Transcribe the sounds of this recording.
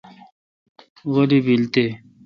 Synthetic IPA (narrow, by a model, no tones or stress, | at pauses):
ɣolibilt̪e